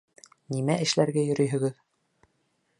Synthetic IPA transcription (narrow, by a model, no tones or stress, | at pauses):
nimæʔɘ̆ʃlæɾɡæjɵ̆ɾɵjɵ̆ɡɘð